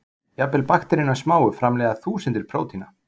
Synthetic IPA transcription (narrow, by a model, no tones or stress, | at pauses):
japɛlpaxt̪ɛɾɪnːḁsmaːwʏfɾamlɛɣaθuːsənt̪ɪɾ̥pʰɾoːwt̪ʰina